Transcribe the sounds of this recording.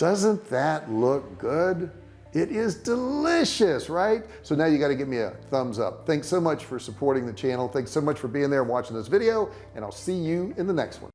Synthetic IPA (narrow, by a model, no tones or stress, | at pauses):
d̥ʌzə̃nðɨtˡlʊk̚ɡ̥ʊd | ɪɾɪzdəlɪʃɨsɹaɪt̚soʊnaʊjɨɡɑɾɨɡɛt̚miɨ̰θʌ̃mzʌ̰p̚θæ̃ŋksoʊmʌt͡ʃfə˞səpʰɔɹɾɪ̃ŋðɨt͡ʃʰænl̩ˠθæ̃ŋksoʊmʌt͡ʃfə˞biɪ̃ŋðə˞ɨ̃nwɑt͡ʃɪ̃ŋðɪsvɪɾioʊ | ɨ̃ñaɪlˠsijɨɨ̃nðənɛ̰kst̚wʌ̰̃n